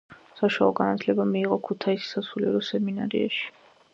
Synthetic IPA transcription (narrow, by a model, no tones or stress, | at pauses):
saʃaɔɡanat̪ʰlɛbamiːʁɔkʰut̪ʰaisi̥sasuliɛɾɔsɛmina̰ɾḭa̰ʃi̥